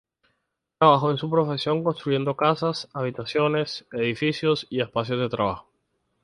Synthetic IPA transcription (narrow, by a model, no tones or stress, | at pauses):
t̪ɾaβaxo̞ensupɾo̞fe̞sjo̞ŋko̞nst̪ɾuʝe̞nd̪o̞kasasaβ̞it̪asjo̞ne̞se̞ðifisjo̞sie̞spas̬jo̞zðe̞t̪ɾaβaxo̥